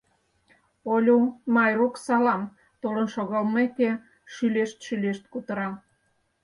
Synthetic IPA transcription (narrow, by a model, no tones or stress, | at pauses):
olʲumɑjruksɑlɑm | t̪olə̆nʃoɣɑlmeke | ʃyleʃt̪ʃyleʃt̪kut̪əɾɑ